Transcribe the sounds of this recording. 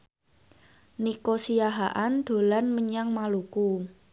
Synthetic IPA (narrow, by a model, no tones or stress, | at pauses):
nikosijaɦaʔand̪̥o̤lanməɲaŋmaluku